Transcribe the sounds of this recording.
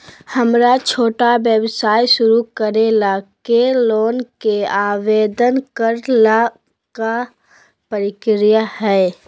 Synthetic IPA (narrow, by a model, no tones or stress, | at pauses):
həmɾat͡ʃʰoːʈabjəbsaːiʃʊɾukəɾelaːkeloːnkeaːʋeːd̪ənkəɾla | ka | pəɾɪkɾɪjahɛː